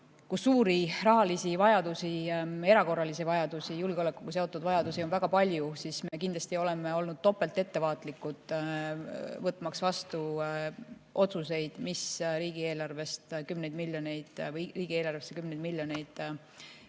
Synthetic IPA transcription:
kusuːɾirɑɦɑlisivɑjɑd̪̥usie̞ɾɑko̞rːɑlisivɑjɑd̪̥usijulɡeo̞le̞kːuɡuse̞o̞t̪ːˑud̪̥vɑjɑd̪̥usionvæɡ̥ɑpɑlʲjusismekind̪lɑst̪io̞le̞me̞o̞lnud̪̥̚t̪ːo̞pːˑe̞lt̪e̞t̪ːe̞vɑːt̪ˑlikːˑut̪ˑ | vɤt̪ːˑmɑksvɑst̪u | ʔo̞t̪suse̞jd̪̥misɾiːɡ̥ie̞ːlɑrve̞st̪kymnejd̪milːjo̞ne̞jd̪̥vɤjriːɡ̥ie̞ːlɑrvesːekymnejd̪milʲjo̞ne̞jd̪̥

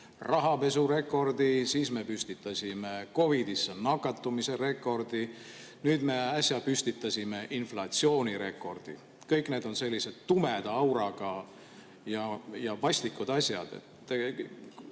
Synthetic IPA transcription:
rɑɦɑpe̞sure̞kːˑo̞rd̪̥isiːsme̞pysʲt̪it̪ːˑɑsʲimeko̞vid̪isːenɑkːɑt̪ːˑumise̞re̞kːˑo̞rd̪̥i | nyːd̪me̞ɑsjɑpysʲt̪it̪ːˑɑsʲime̞ʔinflɑt̪sio̞ːnʲiɾe̞kːˑo̞rd̪̥ḭ | kɤjkne̞ːd̪̥o̞nse̞lːise̞d̪̥t̪ːumed̪̥ɑwɾɑɡ̥ɑ | jɑjɑvɑsʲt̪ikːˑud̪̥ɑsʲjɑ̰d̪̥ḛt̪ː

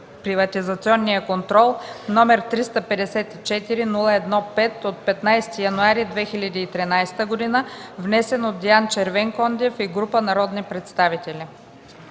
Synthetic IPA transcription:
pɾivɐt̪ʲizɐt̪siɔnːijəkont̪ɾɔlˠnɔmɛɾt̪ɾist̪əpɛd̪ɛsɛt̪it͡ʃɛt̪iɾinulˠəɛd̪nɔpɛt̪ot̪̚pɛt̪najsɛ̥t̪ijɐnuaɾid̪vɛxilʲəd̪iːt̪ɾinajst̪əɡod̪inəvnɛsɛnot̪̚d̪iant͡ʃɛɾvɛŋkɔnd̪ʲɛfiɡɾupənɐɾɔd̪nipɾɛt̪st̪avit̪ɛli

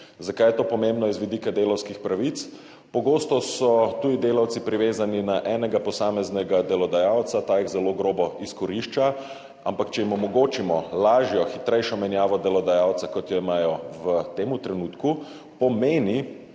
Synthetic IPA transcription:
zakaːjɛt̪oːpɔmẽmbnɔizʋid̪ikad̪eːlawskixpɾaʋit̪s | pɔɡoːst̪ɔsɔt̪ud̪id̪eːlawt̪sipɾiʋeːzaninaʔɛːnɛɡapɔsaːmɛznɛɡad̪ɛlɔd̪ajaːwt̪sat̪aːjiɣzɛloɡɾoːbɔiskɔɾiʃt͡ʃa | ampakt͡ʃɛjimɔmɔɡoːt͡ʃimɔlaːʒjɔxit̪ɾɛjʃɔmɛnjaːʋɔd̪ɛlɔd̪ajawt̪sakɔt̪jɔimaːjɔʋət̪eːmut̪ɾɛnuːt̪ku | pɔmeːni

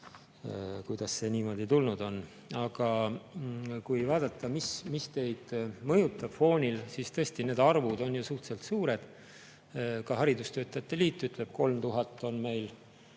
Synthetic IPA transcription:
kujd̪̥ɑsse̞niːmo̞d̪̥it̪ulnud̪̥o̞n | ɑɡ̥ɑ | kujvɑːd̪ɑt̪ːˑɑmismist̪e̞jd̪̥mɤjut̪ːˑɑb̥fo̞ːnʲilsiːst̪ɤ̞esʲt̪ine̞ːd̪̥ɑrvud̪̥o̞njusuht̪se̞lt̪suːɾe̞d̪̥ | kɑɦɑɾid̪ust̪ø̞ːt̪ˑːɑjɑt̪ːe̞liːt̪ːˑyt̪ˑle̞b̥̚ko̞lmt̪uɦɑt̪ːˑo̞nme̞jl

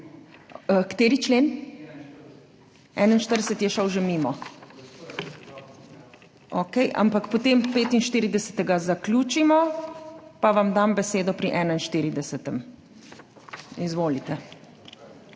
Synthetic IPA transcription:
kt̪eːɾit͡ʃleːn | ɛ̰nainʃt̪əɾd̪əsət̪jɛʃəwʒemimɔ | okɛjʔa̰mpakpot̪empeːt̪inʃt̪iːɾid̪ɛsə̥t̪ɛɡazakluːt͡ʃimɔ | paʋamd̪ambɛseːd̪ɔpɾiʔɛnainʃt̪iɾid̪ɛsɛt̪ɛm | izʋoːlit̪ɛ

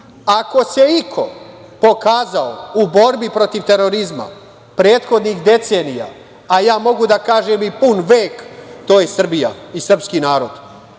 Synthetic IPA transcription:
ako̞se̞ikʰo̞ | po̞kaːzao̰ubo̞ɾbipɾo̞t̪iʋt̪e̞ɾo̞ɾizma̰ | pɾeːt̪xo̞d̪nixd̪e̞t̪se̞ːnija̰ː | jaːmo̞ɡud̪akaːʒeːmipunʋeːkt̪oːjesr̩bija̰isr̩pskinaːɾo̞d̪

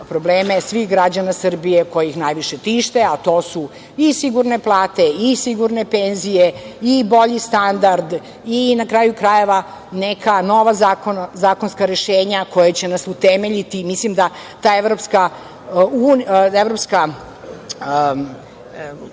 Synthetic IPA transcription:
pɾo̞bleːmesʋixɡɾad͡ʑanasr̩bijeko̞jixnajʋiʃe̞t̪iʃt̪eat̪o̞ːsu | isiɡuɾne̞plˠaːt̪e̞isiɡuɾnepenzijeibo̞ʎist̪and̪aɾd̪ | inakɾaːjukɾaje̞ʋa | nekʰano̞ʋazakonzaːkonskaɾeʃeːɲako̞jet͡ɕe̞nasut̪emeʎit̪imislimd̪a | t̪aːeʋɾo̞pska | unevɾopska

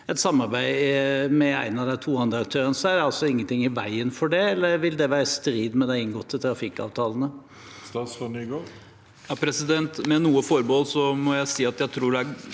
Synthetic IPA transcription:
ɛt̪sɑmːɑɾbæɪmɛæ̰ɪnɑʋd̪ɛt̪ʰuːɑnd̪ɾəɑk̚t̪ʰøːɾənəsɔæd̪ɑlsɔɪŋːənt̪ʰɪŋːɪʋæ̰ɪənfɔɖɛɛlːəɾʋɪld̪ɛʋæːɾəst̪ɾiːd̪mɛd̪æɪɪŋɡɔt̪ʰːɪt̪ʰɾɑfɪkɑ̰ːʋt̪ʰɑːlənə | ssnyɡo | jɑpʰɾɛsɪd̪ɛnt̪mɛnuːəfɔɾbɔlsɔmɔjæɪsiːɑt̪jæɪt̪ʰɾuːɖɛæ

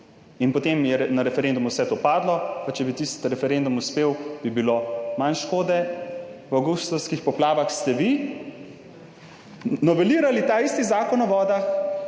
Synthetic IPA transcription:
inpɔt̪eːmjɛɛnaɾɛfɛɾend̪umuwsɛt̪oːpaːd̪lɔpat͡ʃɛbit̪ist̪ɾɛfɛɾend̪umuspeːwbibilomanʃkoːd̪ɛwawɡust̪ɔwskixpɔplaːʋaxst̪ɛʋi | nɔʋɛliːɾalit̪aist̪izaːkɔnɔʋɔːd̪ax

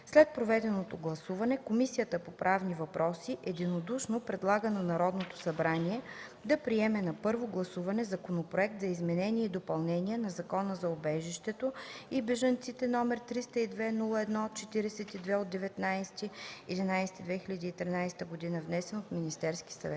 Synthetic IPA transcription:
slɛt̪̚pɾovɛd̪ɛnot̪oɡlˠɐsuvɐnɛkomisijət̪əpopɾʔavnivɐpɾɔsiʔɛd̪inod̪uʃnopɾɛd̪lˠaɡənɐnɐɾɔd̪not̪o̥sɐbɾanʲiɛd̪ɐpɾiɛmɛnɐpɤɾvoɡlˠɐsuvɐnɛzɐkonopɾoɛkt̪zɐizmɛnɛnʲiɛid̪opɐlˠnɛnʲiɛnɐzɐkɔnəzɐobɛʒiʃt̪ɛt̪oibɛʒɐnt̪sit̪ɛnɔmɛɾt̪ɾist̪əid̪vɛnulˠəɛd̪nɔt͡ʃɛt̪iɾɛsɛt̪id̪vɛod̪̚d̪ːɛvɛt̪najsɛ̥t̪iɛd̪inajsɛ̥t̪id̪vɛxilʲɐd̪iːt̪ɾinajsɛ̥t̪əɡod̪inəvnɛsɛnot̪minist̪ɛɾsk̟i̥sɐ̰vɛt̪

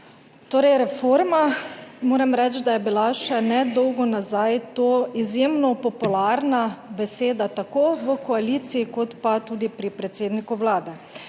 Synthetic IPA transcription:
t̪oːɾɛjɾɛfoːɾmamoːɾɛmɾɛt͡ʃd̪ajɛbilaʃɛnɛd̪ɔwɡɔnazajt̪oːizjeːmnɔpɔpulaɾnabɛseːd̪at̪akoːʋəkɔaliːt̪siːkɔt̪pat̪uːd̪ipɾipɾɛt̪seːd̪nikuʋlaːd̪ɛ

